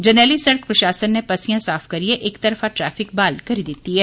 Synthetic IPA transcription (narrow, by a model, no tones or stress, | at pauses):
d͡ʒɐneːlisɐɽəkpɾɐʃaːsənːepɐsijãsaːfkɐɾieʔeːkt̪ɐɾfaʈɾɛːfɪk̚baːlkɐɾid̪ɪt̪iɦɛː